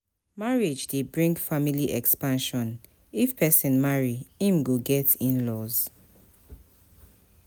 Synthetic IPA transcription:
maɹed͡ʒdebɹĩŋɡfamiliʔɛkspãnʃɔ̃n | ifpʰɛsĩnmaɹiĩmɡoɡɛtĩnlɔz̥

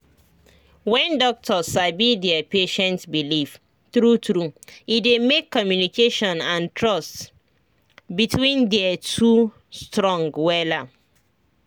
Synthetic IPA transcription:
wɛ̃ndɔk̚tʰɔsabidɛəpeʃɛ̃ntbilif | θɹutɹuidemekʰːɔmjunikʰeʃɔ̃nãntʰɹɔst | bitʰwĩndɛətʰu | stɹɔ̃ŋɡwɛla

